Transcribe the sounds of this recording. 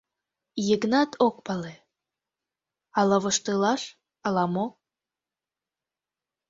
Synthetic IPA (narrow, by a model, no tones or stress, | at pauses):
jəɡnɑt̪ʰok̚pɑle | ɑlɤβəʃt̪ɯlɑʃ | ɑlɑmo